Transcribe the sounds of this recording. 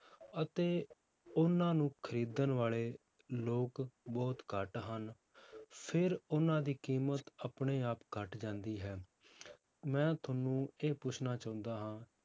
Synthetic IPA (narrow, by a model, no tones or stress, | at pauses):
ət̪eː | ʊnãːnũːkʰəɾiːd̪ənʋaːleː | loːkbɔːt̪kəʈɦən | pʰɪɾʊnãːd̪iːkiːmət̪apɳeːaːpkəʈd͡ʒãːnd̪iːɦɛː | mɛ̃ːt̪ʰənːũːeːpʊt͡ʃʰnaːt͡ʃãːʊ̃nd̪aːɦãː